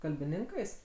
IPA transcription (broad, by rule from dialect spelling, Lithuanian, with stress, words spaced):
kɐlʲbʲɪˈnʲɪŋkɐɪs